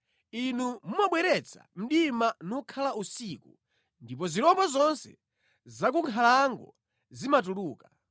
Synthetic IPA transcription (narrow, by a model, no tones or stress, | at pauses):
inumumaɓwɛɾɛt͡sʰa̰m̩ɗimanukʰalausiku | ndip̬ɔziɾɔbɔzɔnsɛ̰ | zak̬uŋkʰalaŋɡɔ̰ | zimat̬uluːka